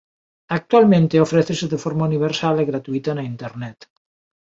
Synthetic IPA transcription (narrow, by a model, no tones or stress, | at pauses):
ak̚t̪ualmẽnt̪eofɾeθeseðefoɾmauniβ̞eɾsaleɣɾat̪uit̪anaint̪eɾnɛt̪